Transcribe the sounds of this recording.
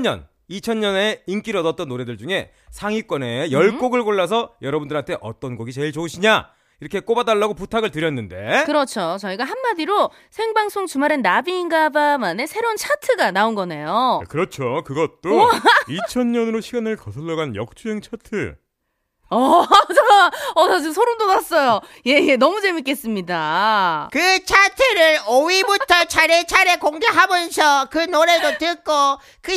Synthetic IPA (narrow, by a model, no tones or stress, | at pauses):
ɲʌ̰n | it͡ɕʰʌɲːʌne̞ink͈iɾʌdʌt̚t͈ʌnːoɾe̞dɯɭd͡ʑuŋe̞ | sʰaŋik͈wʌne̞jʌɭk͈oɡɯɭkoɭːas̬ʰʌjʌɾʌbundɯɾɦantʰe̞ʔʌt͈ʌnɡoɡit͡ɕe̞iɭt͡ɕoɕʰiɲa | iɾʌkʰe̞k͈obadaɭːaɡoputʰaɡɯɭtɯɾjʌnːɯnde̞̰kɯɾʌt͡ɕʰot͡ɕʌiɡaɦanːadiɾo | sʰeŋbaŋs͈ʰoŋt͡ɕumaɾɯnːabiːŋɡabamane̞sʰe̞ɾont͡ɕʰatʰɯɡanaonɡʌne̞jokɯɾʌt͡ɕʰokɯɡʌt̚t͈oit͡ɕʰʌnɲʌnɯɾoɕʰiɡanɯɭkʌsʰʌɭːʌɡanjʌ̰k̚t͡ɕ͈ʰuɦe̞ŋt͡ɕʰatʰɯ | ʌt͡ɕaʌnad͡ʑɯsʰoɾondonas͈ʌjo | je̞jenʌmud͡ʑe̞mik͈e̞s͈ɯmɲidakɯt͡ɕʰatʰɯɾɯɾowibutʰʌt͡ɕaɾet͡ɕʰaɾekoŋɡeɦamjʌnsʰʌkɯnoɾe̞dotɯk͈o | kɯ